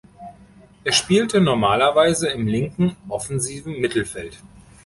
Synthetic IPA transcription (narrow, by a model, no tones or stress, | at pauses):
ʔeːɐʃpiːltənɔɐmaːlɐvaɪzəɪmlɪŋkŋ̩ʔɔfɛnziːvn̩mɪtl̩fɛlt